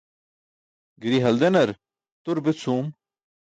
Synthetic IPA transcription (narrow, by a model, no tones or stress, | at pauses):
ɡɾiɦɐld̪enɐɾ | t̪uɾbɪt͡sʰuːm